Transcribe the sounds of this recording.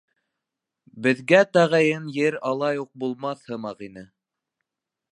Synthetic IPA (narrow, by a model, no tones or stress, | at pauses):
bɘ̆ðɡæt̪æʁæjɘnjɘɾɑlˠɑjuq̚bulˠmɑθhɤ̆mɑqinɘ